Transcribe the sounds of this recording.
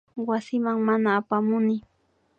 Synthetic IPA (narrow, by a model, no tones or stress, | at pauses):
wasɪmaŋmanaːpamʊnɪ